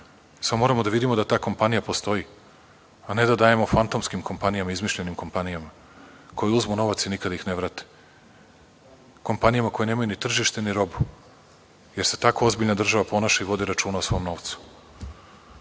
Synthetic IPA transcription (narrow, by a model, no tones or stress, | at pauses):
samomo̞ːɾamo̞d̪aʋid̪imo̞d̪at̪aːko̞mpanijapo̞st̪o̞i | ane̞d̪ad̪aːje̞mo̞fant̪o̞mskimko̞mpanijamaizmiʃʎenimko̞mpanijama | ko̞juzmuno̞ʋat̪sinikad̪aixneʋɾat̪e̥ | ko̞mpanijamako̞jeneːmajunit̪r̩ʒiʃt̪eniɾo̞bu | je̞ɾse̞̥t̪ako̞o̞zbiʎnad̪r̩ʒaʋapo̞naʃaiʋo̞d̪iɾat͡ʃuːnaosʋo̞mno̞ʋt̪su̥